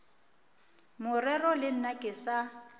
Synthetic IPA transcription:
mʊrɛrɔlɪn̩nakʼɪsa

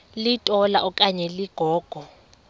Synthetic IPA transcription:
litʼɔlaʔɔkʼaɲɛliɡ̥ʱɔːɡ̥ʱɔ

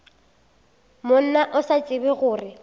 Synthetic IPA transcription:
mʊn̩naʔʊsat͡sʼɪbɪɣʊːrɪ

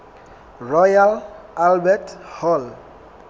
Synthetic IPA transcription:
rɔjal | albɛtʰhɔl

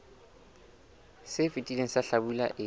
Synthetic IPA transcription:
sɪfitʼileŋ̩saɬabulaʔɪ

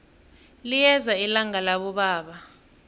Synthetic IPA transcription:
lijɛzailaŋalaɓɔɓaːɓa

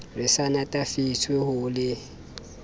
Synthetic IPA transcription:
rɪsanatʼafit͡sʰwehʊlɪ

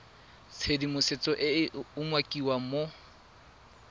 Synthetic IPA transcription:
t͡sʰedimʊset͡sʼɔʔɪʊmwakʼiwamo

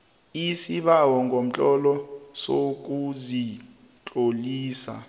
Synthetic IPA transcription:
isiɓawɔŋɡʱom̩t͡ɬʼɔlɔsok̬uzi | t͡ɬʼoliːsa̰

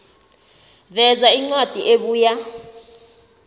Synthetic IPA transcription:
vɛzaiŋ͡ǀwad̥ʱiʔeɓuːja

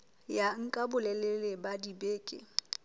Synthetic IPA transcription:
jaŋ̩kʼabʊlɛlelɪbadibeːkʼɪ̰

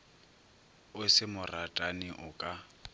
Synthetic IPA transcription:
ʊsɪmʊratʼanɪʔʊkʼa

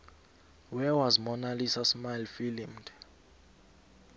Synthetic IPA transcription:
wɛwazmɔnalisasmajlfilimd

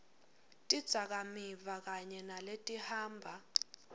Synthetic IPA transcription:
tʼid̥z̥ʱak̬amivak̬aɲɛnaletʼihaːmbʱa

